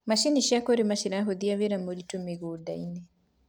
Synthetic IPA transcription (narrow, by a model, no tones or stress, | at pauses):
maʃiniʃakoɾemaʃiɾaɦoðiaβeɾamoɾitomeɣodaine